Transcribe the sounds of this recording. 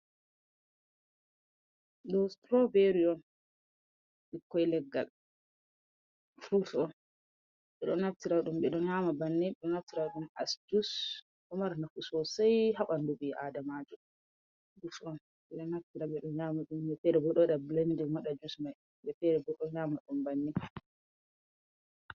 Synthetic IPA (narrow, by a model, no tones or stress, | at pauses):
ɗɔstɾɔveɾiɔn | ɗikːɔjlɛɡːa̰l | fuɾsɔn | ɓɛɗɔnaftiɾaɗumɓɛɗɔnɲaːmabanːɛɓɛɗɔnaftiɾaɗumasd͡ʒus | ɔmaɾnafusɔsajɦaɓandubiʔadamad͡ʒɔ | futɔn | ɓɛɗɔnaftiɾaɓɛɗɔnjaːmaɗumbɛfɛɾɛbɔɗɔɗablendimaɗad͡ʒusmaj | bɛfɛɾɛbɔɗɔnjamaɗumbanːi